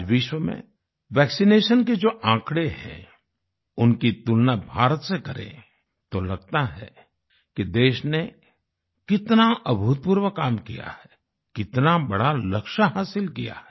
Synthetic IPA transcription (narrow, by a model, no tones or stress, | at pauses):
ʋɪʃwəmḛ̃ | ʋɛːksineːʃənked͡ʒoːʔãːkɽeɦɛ̰̃ | ʊnkit̪ulnabʱaːɾət̪sekɐɾḛ̃ | t̪olɐɡ̚t̪aɦɛ̰ | kid̪eːʃne | kɪt̪naʔɐbʱʊt̪̚puːɾʋəkaːmkija̰hɛ | kɪt̪nabɐɽalɐkʃaɦaːsɪlkija̰ɦɛ